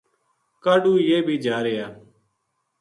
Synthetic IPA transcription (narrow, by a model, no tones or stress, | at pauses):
kaːɗuːjeːbʱiːd͡ʒaːɾeːjaː